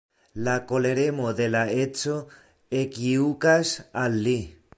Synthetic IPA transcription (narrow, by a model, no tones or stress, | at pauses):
lakoleɾemoðelaet͡so | ekiukasalːi